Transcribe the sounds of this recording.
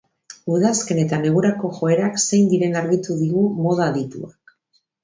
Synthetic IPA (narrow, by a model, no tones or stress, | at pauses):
uðaske̞ne̞t̪ane̞ɣ̞uɾako̞ʝo̞e̞ɾakse̞jnd̪iɾe̞naɾɣit̪uðiɣumo̞ð̞aðit̪ṵak